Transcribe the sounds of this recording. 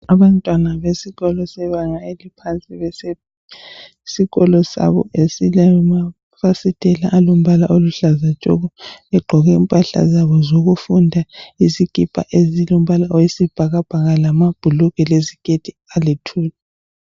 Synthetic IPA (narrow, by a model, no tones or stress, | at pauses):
aβantʼwanaβesiɣɔlɔsɛβaŋaelipʰant͡sʼiβɛsɛ | siɣɔlɔsa̰βɔ̰ʔesilama | fasitʼɛlaʔːlom̩βala̰ʔoluɬazat͡ʃʼɔ̰ɣɔβɛɡ͡ǃʱɔɣɛimpʼaɬa̰zaβɔzoɣufundʱaizikʼipʰʼa̰ʔezilom̩βalaʔɔisib̥ʱaɣab̥ʱaɣalamab̥ʱuluɣɛlezikʼetʰʼi | alitʰuːlɛ